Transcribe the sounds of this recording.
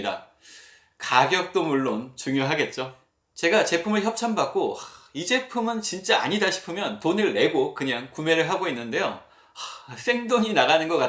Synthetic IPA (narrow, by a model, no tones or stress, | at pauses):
da̰ | kaɡjʌk̚t͈omuɭːont͡ɕuŋjoɦaɡe̞t̚t͡ɕ͈o | t͡ɕe̞ɡat͡ɕe̞pʰumɯɭçjʌp̚t͡ɕʰambak̚k͈oaid͡ʑe̞pʰumɯnt͡ɕint͡ɕ͈aa̰ɲidaɕʰi̥pʰɯmjʌntonɯɭːe̞ɡokɯɲaŋkume̞ɾɯɭɦaɡoinːɯnde̞jo̰ | s͈e̞ŋdoɲinaɣanɯnɡʌk͈a